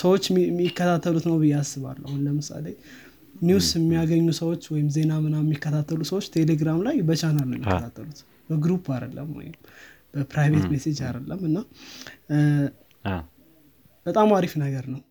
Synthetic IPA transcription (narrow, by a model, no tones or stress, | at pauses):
səwo̞t͡ʃːmkːət̪ʰat̪ʰːəlut̪nəwbɨjːasːɨβa̰lːahunləmɨsa̰le | niwsɪmːijaɡəɲːusəwo̞t͡ʃːwɔjɪmze̞namɨnajɛmːikːət̪ʰat̪ʰːəlusəwo̞t͡ʃːt̪ʰe̞le̞ɡɾamlajbət͡ʃʰanəlnəwjɛmːikːt̪ʰat̪ʰːəlut̪ | b̥əɡɾupʰad̪ə̰lːə̰mwɔ̰jɪ̰m | b̥əpʰɾajve̞t̪mesed͡ʒad̪əlːəmːɨnːa | b̥ət̪ʼamaɾifnəɡəɾnəw